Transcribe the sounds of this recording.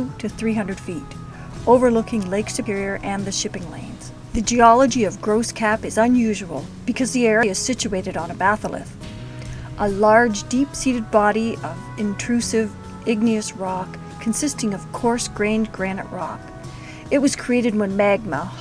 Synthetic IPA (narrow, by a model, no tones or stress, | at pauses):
ɾɨθɹiɦʌ̃ndɹɨd̥fiɾ | oʊvə˞lʊkɪ̃ŋleɪksɨpʰɪɹiə˞ʔɨ̃nðɨʃɪpɪ̃ŋlḛ̃ɪ̃nz̥ | ðɨd͡ʒiɑlˠəd͡ʒiʌvɡɹoʊskʰæpɨzə̃njʉʒəwəl̩ˠb̥ɨkʰʌzðiɛɹiɨz̥sɪt͡ʃʉeɪɾɨɾn̩əbæθl̩ˠɨ̰f | ʔəlɑɹd͡ʒdipsiɾɨd̚bɑɾiʌv | ɨ̃ntʰɹ̥ʉsɪv | ɪɡ̚niɨsɹɑkʰː | n̩sɪstɪ̃ŋʌv̥kʰɔɹsɡ̥ɹẽɪ̃nɡɹænɨ̰ʔɹɑk | ɨt̚wʌz̥kʰɹ̥ieɪɾɨd̚wə̃nmæɡ̚mə